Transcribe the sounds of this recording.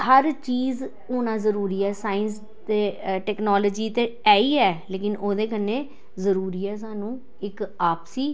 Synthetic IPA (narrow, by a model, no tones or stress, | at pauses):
həɾt͡ʃiːz | oːnãːzəɾuːɾiːɛːsaːɪns | d̪eːʈɛːknoːləːd͡ʒiːt̪eːɛːiːɛːleːkɪnoːd̪eːkənːeː | zəɾuːɾiːɛːs̬aːnũː | ɪkaːpsiː